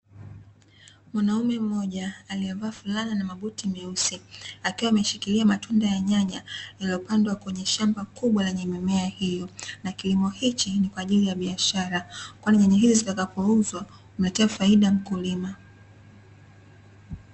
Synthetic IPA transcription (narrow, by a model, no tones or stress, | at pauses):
mwanaumɛm̩mɔʄaːliɛvaːfulaninamaɓutimɛusiakiwaːmɛʃikiliamatʰundajaɲaɲajaliɔpandwakwɛɲɛʃambakuɓwalɛɲɛmɛmɛahijɔnakilimɔhit͡ʃinikwaːʄilijaɓiaʃaɾakwaniɲaɲaɦizizitakapɔuzwa | unatɛafaiɗam̩kulima